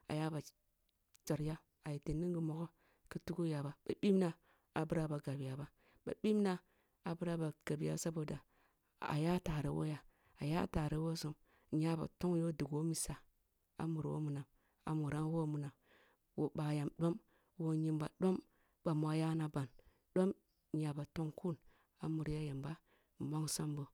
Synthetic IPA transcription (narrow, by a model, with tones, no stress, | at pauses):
a̰˨ja˦ba˨ | t͡ʃa˨ɾja˦ | a˨ji˨te˨ni˦ŋɡi˨mo˨ɡo˦ | ki˦tu˦ku˦ja˨ba˨ba˨bi˦m˦na˨ | a˨bu˦ɾa˦ba˨ɡa˨bi˨ja˨ba˦ | ba̰˨bi˦m˦na˦ | a˨bu˦ɾa˦ba˨ɡ̥a˨bi˨ja̰˦sa˦bo˨da˨ | a̰˨ja˦ta˨ɾe˨wʔo̰˦ja˨ | a˨ja˦ta˨ɾe˦wo˦su˦m˨ | ɲa˦ba̰˨to˦ŋjo˦du˨ɡo˦mi˨sa˨ | a̰˨mu˨ɾwo̰˦mu˨na˨m | a̰˨mu˨ɾa˦nwo˦mu˨na˨m | wo˨ba˨ja˨mɗo˦m | wo˦ɲi˦mba̰˨ɗo˦m | ba˨m˨a˦ja˦na˨ba˨n | ɗ̥o˦m | ɲa˨ba˨to˦ŋku˦n | a̰˨mu˨ɾja˦ja˨mba˦˨ | ma˦ŋsa˦mbo˨